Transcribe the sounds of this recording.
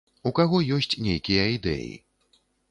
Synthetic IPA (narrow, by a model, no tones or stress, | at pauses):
ukaɣɔjɔsʲt͡sʲnʲejkʲijɐid̪ɛ̰jḭ